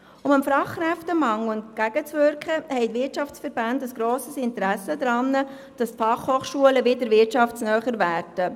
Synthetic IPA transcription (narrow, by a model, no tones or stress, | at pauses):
ʊməmfɾɑχkɾɛftəmɑŋʊntɡ̥æɡ̥ət͡sʋøɾkχəhɛɪtʋɪtʃɑft͡sfəɾbændəsɡ̥ɾoːsəsɪntəɾæsədɾɑnːə | d̥ɑstfɑχhoːχʃuələvɪdəɾvɪtɑfsnœːχəɾvæːrd̥ə